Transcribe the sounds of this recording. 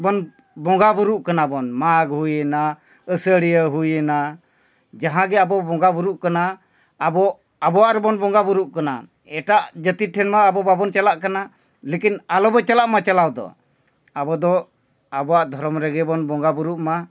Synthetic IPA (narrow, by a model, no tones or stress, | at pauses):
bɔn | bɔŋɡabuɾuʔkanabɔnmaɡɦujəna | əsəɽijəɦujəna | d͡ʒaɦãɡɛabɔbɔ̃ŋɡabuɾuʔkanaː | bɔ | abɔwaʔɾɛbɔnbɔŋɡabuɾuʔkana̰ | ɛʈaʔd͡ʒət̪iʈʰɛnmaːbɔbabɔnt͡ʃalaʔkana | lekinalɔbɛt͡ʃalaʔmat͡ʃalawd̪ɔ̰ | abɔd̪ɔ | abɔwaʔd̪ʱɔɾɔmɾɛɡɛbɔnbɔŋɡabuɾuʔma